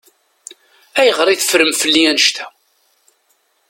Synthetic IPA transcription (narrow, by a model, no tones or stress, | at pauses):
æjəʁɾˤiθə̥fɾəmfəlːiænəʃt̪æ̥